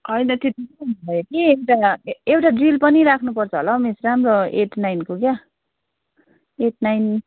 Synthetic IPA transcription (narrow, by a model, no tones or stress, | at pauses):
ʌjnʌt̪et̪ikʌbʱʌʌjekiewʈaewʈaɖrilpʌniɾakʰnupʌrt͡sʰʌɦolʌmesramroeʈʰnajnkokja | eʈ̚ʰnajn